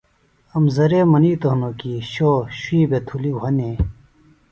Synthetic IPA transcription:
ɐmzɐɾeːmɐniːt̪oɦnoːkiːɕoːɕwiːbet̪ʰuliɦɐne

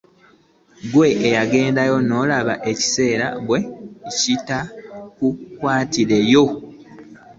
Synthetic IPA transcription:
ɡwe̞ʔejaɡe̞ːndajo̞no̞ːlaβaʔe̞ci̥se̞ːɾa̰ɡwe̞citakukwaːtiɾe̞jo̞

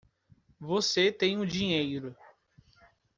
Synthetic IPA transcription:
voset̪ẽj̃ʊd͡ʒĩɲejɾʊ

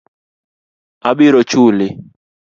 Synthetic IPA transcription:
aɓɪɾɔt͡ʃulɪ

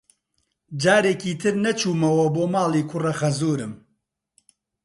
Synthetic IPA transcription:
d͡ʒaːɾeːkiːt̪ʰɨɾnɛt͡ʃʰuːmɐwɐboːmaːleːkʰʊrɐxɐzoːɾɨm

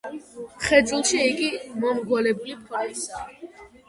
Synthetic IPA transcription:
χɛd̪zʼilˠʃiːɡimɔmɡɔlɛbulipʰaisa

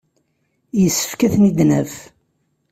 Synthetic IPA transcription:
jəsːə̥fkæθnid̪næf

